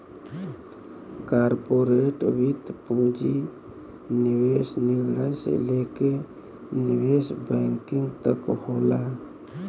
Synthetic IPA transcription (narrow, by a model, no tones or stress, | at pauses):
kaɾpoɾeʈwit̪pũd͡ʒi | niwesnilɽajsḛleke | niwesbɛŋkiŋt̪əkhola